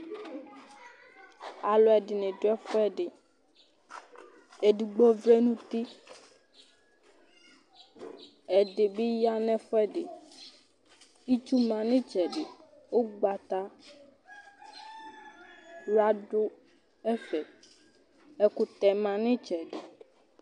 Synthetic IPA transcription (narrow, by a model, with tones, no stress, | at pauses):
a˨lɔ˨ɛ˨ɖɪ˨nẽ˨ɖo˦ɛ˦fɔ˦ɛ˦ɖe˨ | e˨ɖi˨ɡ͡bɔ˦vɾe˦nũ˦t̪i˦ | ɛ˨ɖe˨be˦ja˦nɛ̃˦fɔ˦ɛ˦ɖḛ˨ | i˦t͡ʃu˦mã˨nẽ˦t͡ʃɛ˨ɖe˨ | wo˦ɡ͡ba˨t̪a˦ | la˦ɖo˦ | ɛ˦fɛ˨ | ɛ˨ku˨t̪ɛ˨mã˨nẽ˦t͡ʃɛ˨ɖe˨